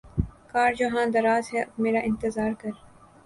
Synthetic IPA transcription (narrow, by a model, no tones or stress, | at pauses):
kaːɾd͡ʒoɦãːd̪ɐɾaːzɦɛʔɐbmeːɾaʔɪ̃nt̪ɪzaːɾkɐɾ